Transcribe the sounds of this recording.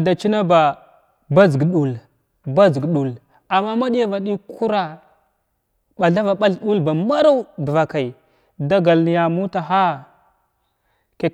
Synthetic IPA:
da˨t͡ʃi˦na˦ba˨ | ba˦zɡɗu˨l | ba˦zɡɗu˨l | a˨mːa˦ma˦ɗi˦ja˦va˨ɗi˦ku˦ɾa˨ | ɓa˨ɬa˦va˨ɓa˦ɬɗu˦lba˨ma˦ɾa˦wdə˨va˨ka˨i˨ | da˦ɡa˨lni˨ja˨mu˦ta˨ɦa˦ | ke˨

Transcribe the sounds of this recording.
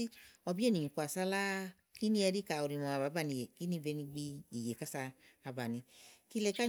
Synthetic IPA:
i˦ɔ˧bi˦e˦nĩ˨ɲĩ˨ku˧˨a˨sa˧la˦ | ki˦ni˦ɛ˧ɾi˦ka˨u˨ɾi˨mɔ˨a˨ba˨˦ba˧˨nĩ˧˨je˨ki˦ni˦vɛ˧nĩ˧ɡ͡bi˧i˨je˨ka˦saː˧ | ba˨nĩ˧ki˧˦lɛ˧ka˦

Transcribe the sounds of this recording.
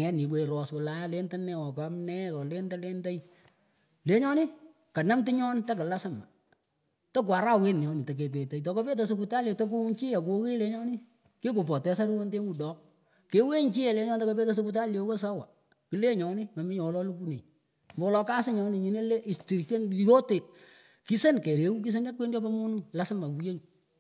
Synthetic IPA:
ŋɛ˨˦ni˨we˨ɾɔ˨swɔ˨la˨˦ja˦le˦nta˦nɛ˦wɔ˨ka˨˦mnɛ˦kɔ˨le˦nta˦le˦nta˦j | le˨ɲɔ˦nɪ˦ | ka˨na˦mtɪ˦ɲɔ˦nta˦k̬ɪ˨la˦sa˦ma˨ | to˦k̬wa˨ɾa˦we˦n˨ɲɔ˦nɪ˨ta˨k̬e˨p̬e˨te˨jtɔ˨ko˦pe˦t̬a˨s̬o˧ku˧ta˦le˨to˦k̬u˦ŋt͡ʃi˦ja˨ko˧ki˦le˦ɲɔ˦nɪ˦ | ke˦ku˨pɔ˨tɛ˦sa˦ɾu˦wo˦nte˦mu˨dɔ˨˦k̚ | ke˨˦we˦ɲt͡ʃi˦jɛ˨le˦ɲɔ˦ntɔ˦ko˦pe˦te˦s̬o˦ku˧ta˦le˨wo˦sa˦wa˨ | ki˨le˦ɲɔ˨˦nɪ˦ma˨mɪ˦ɲɔ˨wlɔ˦lu˦ku˦nḛ˨ | mbo˨wlɔ˨˦ka˦sɪ˦ɲɔ˦nɪ˨ɲi˨ne˦le˦ʔi˨sti˨ʃe˦njo˦te˨ | ki˦se˦nke˨ɾe˨wu˦k̬i˦s̬e˦na˦kwe˦nd͡ʒɔ˦pa˦mu˦nu˦la˦sa˦ma˨ku˨je˦ɲu˨

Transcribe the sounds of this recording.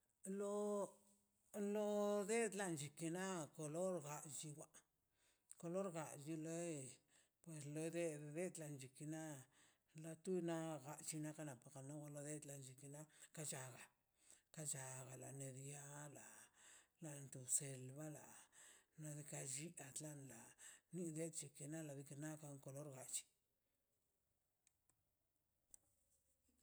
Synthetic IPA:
lo˧ | lo˧d̪e˦d̪la˧nd͡ʒi˨ki˧na˦ko˨lo˦ɾɡa˨ʔd͡ʒi˧wʷa˦ | ko˧lo˦ɾɡa˨d͡ʒi˧lo˦ | pwe˨slo˧jd̪e˦d̪e˦d̪la˨nd͡ʒi˨ki˧na˦ | la˧t̪u˦jna˦ɡa˧t͡ʃi˧na˦ka˦na˨pa˨ka˨no˦wʷa˧lo˧d̪e˦d̪la˨nd͡ʒi˨ki˧˨na˦ka˦t͡ʃa˨ɡa˨ | ka˦t͡ʃa˨ɣa˨la˨ne˧d̪ja˦la˨la˨nt̪u˨se˨lba˦la˨na˧d̪i˧ka˧d͡ʒi˦a˨t̪la˦nla˨ni˦d̪e˦t̪t͡ʃi˨ki˧na˦la˨d̪i˧ki˧na˦ka˧ŋko˨lo˦ɾɡa˨t͡ʃi̥˨

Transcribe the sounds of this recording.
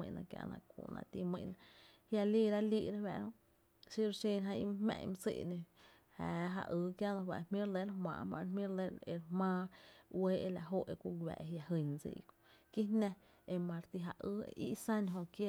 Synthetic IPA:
ĩ˧˨˧nã˧kja̰˧nã̰˧kṵ˧˨nã̰˧˨t̪i˧mĩ˧˨nã˧ | hja˧liː˦˨ɾa˦liː˧˨ɾa˦wɛ̰˧ʔɾõ˧ | ʃi˦ɾʃe˧nɦã˧ḭ˧m˦hmɛ̰̃˧˨ɲ˧m˧sḭ˧ʔnẽ˧ | haː˨ɦa̰˧ʔɨː˧˦kja˦nã˧wa˧˨mĩ˦ɾle˦ɾmã̰ː˧˨mã̰˧ɾmĩ˦ɾle˦e˧ɾmãː˦˧we˦ʔe˧la˧ɦo˦ʔe˧kʷu˦ɡʷwɛ̰˨ʔe˨ɦja˧ɦɨ˧˨ɲd͡zḭ˧ko˨ki˦nã˦˧ | e˧mã˧ɾt̪i˧ɦa˧ʔɨː˦ḭ˦˧sã˦nɦõ˧ʔkje˦

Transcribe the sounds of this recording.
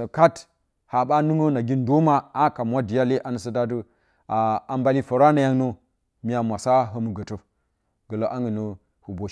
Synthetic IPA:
ə˨ka˦t | ha˨ɓa˦nu˦ŋo˦na˨ɡi˦ndo˦ma˦a˦ka˨mwa˦di˨ja˦le˦ʔa˨nə˨sə˦da˦du˦ | a˨a˨mba˨li˦fo˨ɾa˦na˨ja˦ŋno˦ | mi˨ja˨mʷa˨sa˦ɦə˦mu˨ɡə˨to˦ | ɡə˨lo˨˦ʔa˦ŋɡə˨no˦ | hu˨bo˨

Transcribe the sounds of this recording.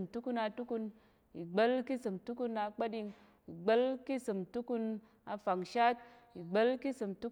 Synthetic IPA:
mtu˦ku˧na˧tu˦ku˧n | i˨ɡ͡be˦lki˦sɨ˨mtu˦ku˧˦na˧k͡pa˦di˧ŋ | i˨ɡ͡be˦lki˦sɨ˨mtu˦ku˧n | a˧fa˨ŋʃa˦t̚ | i˨ɡ͡be˦lki˦sɨ˨mtu˦

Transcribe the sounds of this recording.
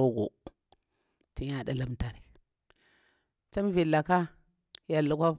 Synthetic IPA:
o˦ɡo̰˨ | ti˦ɲa˦da˦la˦mta˨ɾi˨ | t͡ʃa˦m˦vi˨la˨ka˦ | ja˨lːu˦kʷa˦

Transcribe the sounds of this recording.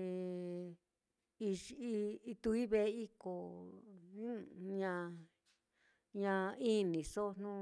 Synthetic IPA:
i˧i˦˧i˧t̪u˧˦i˦βe˧˦i˦kõ˨˦ | ɲã˧ | ɲã˧i˦nĩ˨so˦˧n̥nũ˦

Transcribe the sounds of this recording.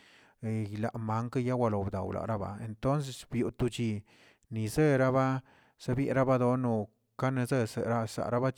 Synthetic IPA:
jla̰˨ʔma˨˦ŋka˦ja˦wʷa˧lo˨bd̪a̰˨wlʔa̰˨ɾa˦ba̰˨e˨nt̪o˦ns̬e˧sbju˨t̪u˧t͡ʃi˧ | ni˨ze˦ɾa˦βa˦ | z̥a˦bjḛ˧˦ɾa˦ba˦d̪o˧no˧ | ka˦ne˧ze˦sḛ˨ɾa˦sa̰˨ɾa˦ba˦

